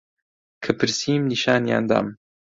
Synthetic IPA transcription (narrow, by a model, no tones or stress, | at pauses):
kʰɐpʰɨɾsiːmniʃaːnja̰ːnd̪a̰ːm